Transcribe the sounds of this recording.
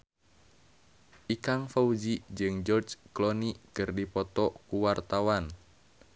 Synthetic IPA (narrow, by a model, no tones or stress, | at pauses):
ʔikaŋfaud͡ʒid͡ʒɨŋd͡ʒɔrd͡ʒklɔnikɨrdipɔt̪ɔkuwart̪awan